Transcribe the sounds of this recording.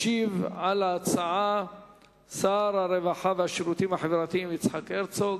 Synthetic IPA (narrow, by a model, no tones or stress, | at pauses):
ivʕalaːt͡saʕa | saɾaɾevaħaveaʃiɾut̪imhaħevɾat̪iimit͡sħakeɾt͡so